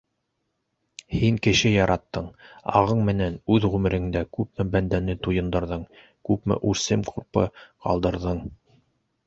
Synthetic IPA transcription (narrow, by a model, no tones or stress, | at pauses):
hiŋkɘ̆ʃɘjɑɾʔɑt̪ːɤɴɑ̰ʁɤɴmɘ̆nænʉðʁʉmɘ̆ɾɘ̆ŋd̪ækʉpmɘbænd̪ænɘt̪ujɤ̆nd̪ɤ̆ɾðɤɴ | kʉpmɘ̰ʔʉɾsɘmqʰuɾpɤ̰qɑ̰lˠd̪ɤ̆ɾðɤɴ